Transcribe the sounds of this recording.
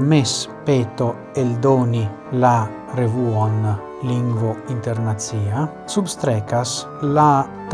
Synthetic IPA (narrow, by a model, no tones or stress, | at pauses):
mespeːt̪o | eld̪oːni | la | revuon | liŋɡvoint̪eɾnat̪siːa | subst̪ɾɛkas | la | t̪